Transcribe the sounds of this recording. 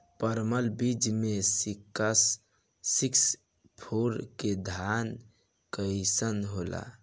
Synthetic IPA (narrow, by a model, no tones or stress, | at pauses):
pəɾməlbid͡ʒmesikəsː | iks | pʰoɾked̪ʱan | kəjsənɦola̰